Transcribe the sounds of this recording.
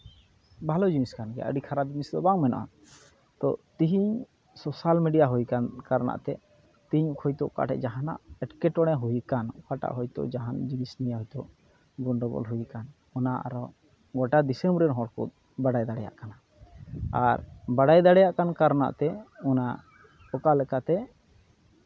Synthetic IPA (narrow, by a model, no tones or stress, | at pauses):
bʱalɔd͡ʒiniskanɡɛaʔə̰ɖikʰaɾab̚d͡ʒinisd̪ɔbaŋmɛnɔ̰ʔa̰ | t̪ɔ̰t̪iɦiɲ | sɔsalmiɖijaɦujkankaɾna̰ʔt̪ɛ | t̪iiɲkʰɔjt̪ɔʔka̰ʈɛ̰ʔd͡ʒaɦana̰ʔɛʈkɛʈɔɽ̃ɛɦujkankaʈa̰ʔɦɔjt̪ɔ̰ʔd͡ʒaɦand͡ʒinisnijaɦɔjt̪ɔʔ | ɡɔnɖɔɡɔ̰lɦujkan | ɔnaʔa̰ɾɔ | ɡɔʈad̪isɛmbɾɛɾɦɔ̃ɽkṵt̪̚ | baɽajd̪aɽɛja̰ʔkana | aɾbaɽajd̪aɽɛjaʔkankaɾna̰ʔt̪ɛɔna | ɔkalɛkat̪ɛ